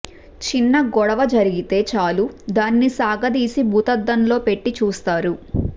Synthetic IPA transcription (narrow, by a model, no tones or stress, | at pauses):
t͡ʃinːɐɡɔɽɐʋɐd͡ʒɐɾiɡit̪e̞ːt͡ʃaːlud̪aːnːisaːɡɐd̪iːsibʱuːt̪ɐd̪ːɐnlo̞ːpe̞ʈːit͡ʃuːst̪aːɾu